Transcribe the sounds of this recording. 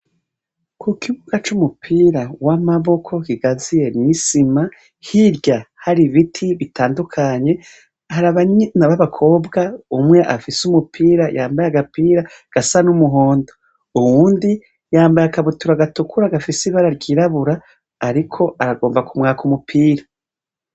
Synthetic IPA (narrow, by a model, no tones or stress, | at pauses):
kukiβuɡ̥at͡ʃumupʰiːɾawamaβo̞kʰo̞kiɡazije̞nisima | hiɾɟahaɾiβitʰiβitʰaːndukʰaɲe̞ | haɾaβaɲnaβaβakʰo̞ːbɡaumŋe̞ʔafisumupʰiːɾajʔaːmbajaɡapiːɾa | ɡ̥asanumuɦoːndo | uwuːndi | jaːmbajakaβutuɾaɡatukuɾaɡafisiβaɾaɾɟiːɾaβuɾaː | ɾikʰo̞ʔaɾaɡo̞ːmbakumŋaːkumupʰiːɾa